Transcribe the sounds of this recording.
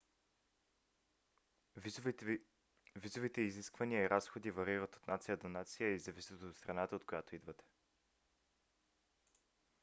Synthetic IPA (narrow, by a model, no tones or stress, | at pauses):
vizovit̪ɛiziskvɐnijəiɾʔasxod̪ivɐɾivət̪o̥t̪nat̪sijəd̪onat̪sijəizɐvisʲit̪ot̪st̪ɾɐnat̪əot̪kojat̪oid̪vət̪ɛ̥